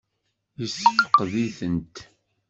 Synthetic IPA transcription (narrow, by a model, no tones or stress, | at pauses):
jəsːəfə̥qðiθənt̪